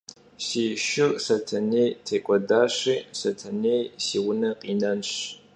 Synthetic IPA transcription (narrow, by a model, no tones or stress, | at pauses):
siːɕɪrsɐtʰɐneːtʰeːkʷʼɔdaːɕiːsɐtʰɐneːjsiːwʊnɐqiːnɐnɕ